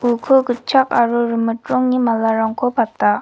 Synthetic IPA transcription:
ukʰokət͡ɕʰaʔarorəməʈ͡ʂoŋɲimalaraŋkʰopat̪aʔ

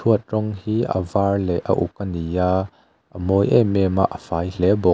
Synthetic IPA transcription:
tʰuət̪̚rɔŋhiːʔə̰vaːrlɛʔə̰ʔṵkːənijaː | ʔəmɔjʔɛ̰mɛma̰ʔəfaːjl̥ɛbɔ

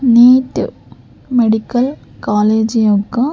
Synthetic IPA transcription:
niːtːɨ̰ | meɽikːɐl | kaːleːd͡ʑijokːɐ

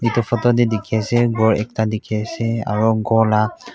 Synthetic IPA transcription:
itɔfʰɔtɔdɛdikʰiasɛɡɔɹɛ̰k̚tadikʰiasɛa̰ɹɔɡɔla

